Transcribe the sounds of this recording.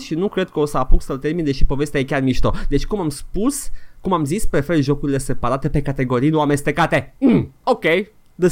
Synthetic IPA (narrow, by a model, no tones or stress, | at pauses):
ʃinukɾe̞d̪̚kəo̞səapuksəlt̪e̞rmind̪e̞ʃipo̞ve̞st̪eajekʲarmiʃt̪od̪et͡ʃʲkumamspuskumamzispɾe̞fe̞rʒo̞kuɾile̞se̞paɾat̪e̞pe̞kat̪e̞ɡo̞ɾijloame̞st̪e̞kat̪e̞okʲej | d̪e